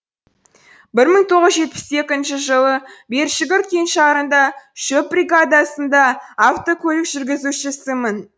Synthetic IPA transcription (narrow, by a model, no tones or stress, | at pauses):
bɪɾməɴt̪ʰo̞ʁəzʒe̞t̪̚pɪ̥se̞kʲɪnʃɪʒəlˠəbe̞ɾʃɪɡʲɪɾt̪̚kʲʰe̞nʃɑɾənd̪ɑʃɵp̚brʲiɡad̪asənd̪ɑːft̪o̞kʲʰɵlɪkʒ̥ʏɾɡʲɪzuʃɪsɪmən